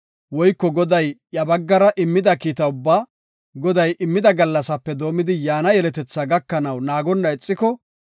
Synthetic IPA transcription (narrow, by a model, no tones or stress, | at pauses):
wɔjkːɔɡɔd̪ɐjjɐbɐɡːɐɾɐʔɪmːɪd̪ɐkiːt̪ɐʊbːaː | ɡɔd̪ɐjʔɪmːɪd̪ɐɡɐlːɐsɐpːɛd̪o̞ːmɪd̪ɪjaːnɐjɛlɛt̪ɛt͡sːaɡɐkːɐnɐwnaːɡɔnːɐɛt͡sʼːɪkɔ